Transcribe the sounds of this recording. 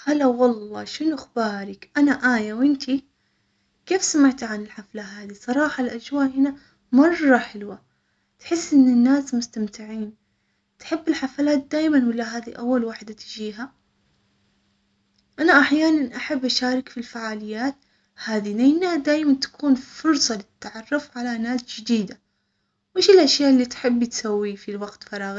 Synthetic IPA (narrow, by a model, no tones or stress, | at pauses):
halːawɑlˤːɑːʃɪnuʔɪxbaːɾˤɪkʔanaʔaːjawʔɪnt̪ʰi | keːfsamaʕt̪ʕanɪlħaflaɦaːðisˤɑɾˤɑːħɑlʔad͡ʒwaːʔhɪna | mɑrˤːɑħɪlwa | t̪ħɪsːʔɪnːɪnːaːsmʊst̪amt̪ɪʕiːn | t̪ħɪbːɪlħafalaːt̪̚d̪aːjmanwɪlːaɦaːðiʔawːalwaːħɪd̪at̪ɪd͡ʒiːɦa | ʔanaʔaħjaːnanʔaħabːʔaʃaːɾˤɪkfilfaʕaːlɪjːaːt̪̚ | haːðinanːad̪aːjmant̪ḁkʰuːnfʊɾsˤɑlɪt̪ːaʕɑrˤːʊfʕalanaːsd͡ʒɪd̪iːd̪a | wɪːʃɪlʔaʃjaːʔɪlːit̪ħɪbːt̪sawːifilwaɡt̪fɑɾˤɑːɣi